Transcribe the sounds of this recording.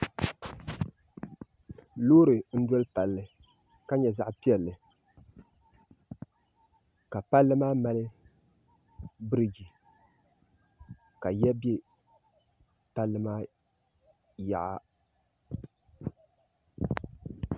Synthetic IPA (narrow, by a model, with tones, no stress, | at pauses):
loː˦ɾɨ˨n̩˦dɔ˦lɨ˦pa˨lːɨ˨ | ka˦ɲɛ˨za˦ʔpi˦ɛ˨lːɨ˨ | ka˨pa˦lːɨ˦maː˦ma˦lɨ˦ | bɨ˦ɾɨ˨ɡi˨ | ka˨jɛ˦be˦ | pa˦lːɨ˦maː˦ | ja̰˨ʔa̰˦˨